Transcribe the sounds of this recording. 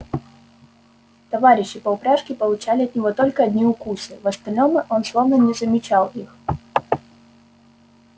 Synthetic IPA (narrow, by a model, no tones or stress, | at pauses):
t̪ɐvaɾʲɪɕːɪpɐʊpɾʲaʂkʲɪpɐlˠʊt͡ɕalʲɪɐt̪nʲɪvɔt̪ɔlʲkɐɐd̪ʲnʲiʊkusɨvɐst̪ɐlʲnɔmɨʔɔnslˠɔvnɐnʲɛzɐmʲɪt͡ɕalˠix